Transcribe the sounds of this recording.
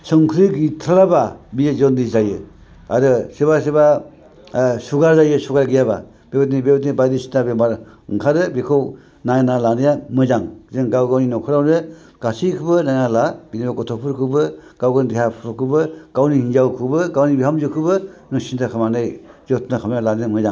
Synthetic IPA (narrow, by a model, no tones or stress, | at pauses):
sɯŋkʰɾiɡitʰalababijzɔndizajɯ | a̰ɾɯseβaseba | suɡaɾzajɯsuɡaɾɡijaba̰ | b̥ebɯtnibebtnibajdisi̥ntʰabemaɾ | ɯŋkʰaɾɯbikʰɔw | najnalanɯjamɯzaŋzɯŋɡawɡawninɔwkʰɯɾawɾɯ | ɡ̥asijkʰɯbɯnajnalabinibakɔtʰɔpʰuɾkʰɯbɯɡ̥awɡɯndiɦapʰɾɔkʰɯbɯɡ̥awnihinzawkʰɯbɯɡawnibiɦamzɯkʰɯbɯnɔsintʰakʰamanɯjzɔtʰnakʰamjalanɯjamɯzaŋ